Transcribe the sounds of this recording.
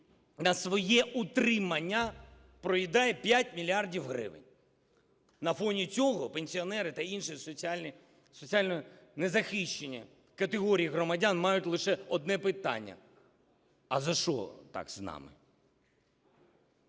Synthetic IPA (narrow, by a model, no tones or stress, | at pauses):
nɐsʋɔjɛut̪ɾɪmɐnʲːɐ | pɾɔjid̪ɑjɛpʲjatʲmʲilʲiɑrdʲiwɦɾɪ̰ʋɪ̰nʲ | nɐfɔnʲit͡sʲɔɦɔpenʲsʲiɔnɛɾɪt̪ɐinʃisʲ | sɔt͡sʲialʲnɔnɛzɐxiʃt͡ʃenʲːɐ̰ | kɐt̪ɪɦɔɾʲijiɦɾɔmɐdʲanmɑjʊtʲlˠɪʃɛɔd̪nɛpɪt̪ɑ̰nʲːɐ̰ | ɐzɐʃɔ̰t̪ɑ̰kznɑ̰mɪ̰